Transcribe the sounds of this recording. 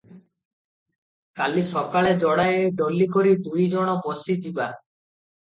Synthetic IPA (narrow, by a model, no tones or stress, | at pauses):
kalisɔkaɭed͡ʒɔɽajeɖolːikoɾid̪ujd͡ʒɔɽ̃ɔbosid͡ʒiba